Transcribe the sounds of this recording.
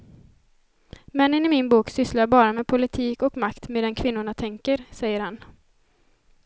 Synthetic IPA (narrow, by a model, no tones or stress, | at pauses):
mɛnːənɪmɪnbuːksʏslaɾbɑːɾamepʰʊlɪt̪ʰiːkɔkmakt̪meːd̪ɛnkʰvɪnːʊɳat̪ʰɛŋkəɾsɛjːəɾhan